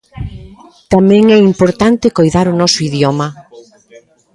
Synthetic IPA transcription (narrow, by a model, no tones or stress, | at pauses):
t̪amɛ̃ŋɛimpoɾt̪ant̪ɪkojðaɾʊnɔsʊiðjɔmɐ